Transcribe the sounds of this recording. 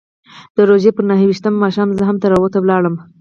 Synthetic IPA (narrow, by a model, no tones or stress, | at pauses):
d̪̥əɾoʒepəɾnaɦəwiʃt̪əmːɑʃɑmzəɦamt̪aɾawot̪awlɑɽəm